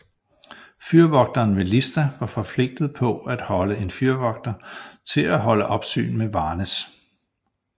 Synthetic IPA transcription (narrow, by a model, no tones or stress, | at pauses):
fyɐʋɒ̽ɡ̥̚d̥ɐːnʋe̝lisd̥æʋɑ̈fɒ̽fʰle̝ɡ̥̚d̥ð̞̩ˠpʰɒ̽æd̥hɒ̽ləe̝nfyɐʋɒ̽ɡ̥̚d̥ɐt͡sʰe̝læɦɒ̽ləʔɒ̽b̥sy̰ːnmeʋɑ̈ːnəs